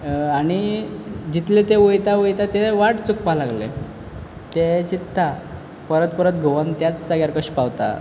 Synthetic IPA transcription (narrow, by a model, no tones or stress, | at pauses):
aɽ̃id͡ʑit̪let̪eʋəjt̪aʋəjt̪at̪eʋaʈt͡suk̚palaɡlḛ | t̪et͡ɕit̪ːa | pəɾət̪pəɾət̪ɡʱoʋənt̪jat͡ssəɡjaɾkəɕpawt̪a̰